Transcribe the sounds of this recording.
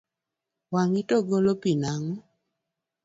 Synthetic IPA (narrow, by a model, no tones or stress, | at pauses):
waŋitɔɡolopinaŋɔ